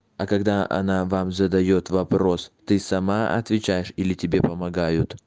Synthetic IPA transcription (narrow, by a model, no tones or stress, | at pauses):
ɐkɐɡd̪aʔɐ̰navamzəd̪ɐjot̪vɐpɾo̞st̪ɨsɐmaɐ̰t̪vʲɪt͡ɕæjɪʂilʲɪtʲɪbʲe̞pəmɐɡajʊt̪